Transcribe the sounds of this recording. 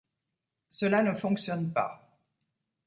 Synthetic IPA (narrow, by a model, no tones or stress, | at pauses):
səlanəfɔ̃ksjɔnpa̰